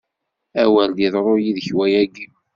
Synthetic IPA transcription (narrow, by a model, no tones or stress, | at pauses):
æwæld̪iðˤɾˤojiðəçwæjæɡi